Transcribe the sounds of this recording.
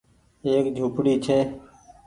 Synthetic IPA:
eːkd͡ʒʱuːpɽiːt͡ʃʰeː

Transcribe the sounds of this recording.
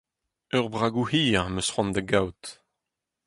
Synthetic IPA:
œʁbʁaɡuhiːãməsχwɑ̃nd̪əɡawt̪

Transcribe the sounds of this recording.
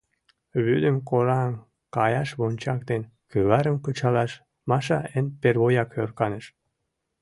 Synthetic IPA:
βyd̪əmkoɾɑm | kɑjɑʃβonʲt͡ɕɑkt̪en | kyβɑɾəmkət͡ɕɑlɑʃ | mɑʃɑenperβojɑkørkɑnəʃ

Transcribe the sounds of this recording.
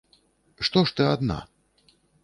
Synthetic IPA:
ʂt̪ɔʂt̪ɨad̪na̰

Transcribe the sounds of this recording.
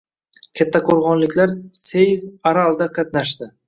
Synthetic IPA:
kʲʰat̪ʰːakʰoɾʁɒnlɪkʲʰlaɾsejvaɾalˠd̪aqʰɑt̪naʃd̪ɪ

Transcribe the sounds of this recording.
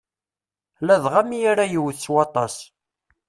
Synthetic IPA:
læðʁæmijaɾajəwθswɑt̪ˤɑs

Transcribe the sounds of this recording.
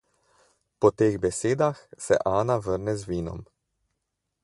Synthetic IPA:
pɔt̪eːɣbɛseːd̪axsɛ̰ʔaːnaʋəɾnɛzʋiːnɔ̰m

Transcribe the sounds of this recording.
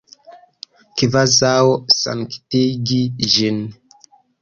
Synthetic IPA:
kivazawosa̰mki̥tiɡiʒin

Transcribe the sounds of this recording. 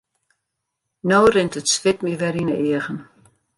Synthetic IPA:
noːrɪntətsʋɪt̚miʋɛɾinəɪəɣən

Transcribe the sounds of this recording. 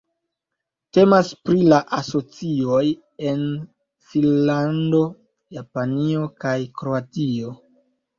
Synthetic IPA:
te̞maspɾilaʔaso̞t͡sio̞j | e̞n | finlando̞ | japanio̞kajkɾo̞atio̞

